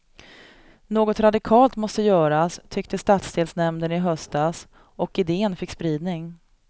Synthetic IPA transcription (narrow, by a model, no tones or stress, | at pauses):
noːɡɔt̪ɾad̪ɪkʰɑːlt̪mɔst̪əjœːɾast̪ʰʏk̚t̪əst̪at̪sd̪eːlsnɛmnənɪɦœst̪as | ɔkɪd̪eːənfɪkːspɾiːd̪nɪŋ